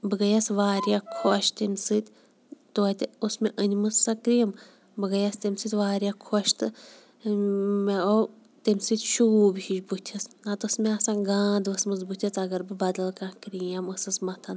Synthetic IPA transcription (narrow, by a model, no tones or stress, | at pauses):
bɨɡɐjɐsʋaːɾʲjakʰoʃt̪emʲsɨt̪ʲ | t̪oːt̪ʲosmʲeʔənʲmɨssɐkɾijɐm | bɨɡɐjɐst̪emʲsɨt̪ʲʋaːɾʲjakʰoʃt̪ɨ | meo | t̪emʲsɨt̪ʲʃuuːbhiʃbut̪ʲʰɐsnɐt̪ɨsmʲeɐsãːɡãːd̪ʋɐsmɨzbut̪ʰʲiɐt͡sɐɡɐɾbɨbɐd̪ɐlˠkãːkɾʲijɐməsɨsmɐt̪ʰɐn